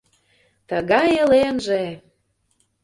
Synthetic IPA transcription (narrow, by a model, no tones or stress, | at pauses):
t̪əɣɑjelenʒe